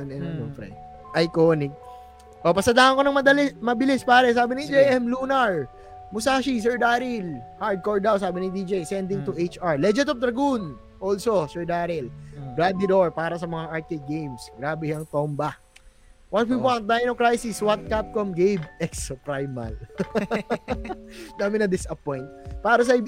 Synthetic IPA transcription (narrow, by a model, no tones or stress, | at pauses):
onɛnɐd̪onfɾɐ̰j | ʔɐjkoːnɪk̚ | ʔopɐsɐd̪aːʔɐŋko̞nɐŋmɐd̪ɐlɛmɐbɪlɪspaːɾɛs̬aːbɪnɪd͡ʒejʔɛmlunɐɹ | mʊsaːʃis̬ɛɹd̪aːɾɪlhaɹd̪̚koɹd̪awsaːbɪnɪd̪id͡ʒɛjsɛnd̪ɪŋt̪ʊʔejt͡ʃaɹlɛd͡ʒɛt̪op̚d̪ɾɐɡun | ʔoːlsosɛɹd̪aːɾɪlɡɹad̪ɪd̪oɹpaːɾɐsɐmɐŋaʔaɹt̪ɛd̪̚ɡejmsɡɾaːbɛjɐŋt̪ombɐ | wɐt̪̚wiwant̪̚d̪ajnokɹajsɪswat̪̚kap̚komɡejbɛkspɹajmɐ̰l | naːmɪnɐd̪ɪsɐpojnt̪̚paːɾɐs̬ɐ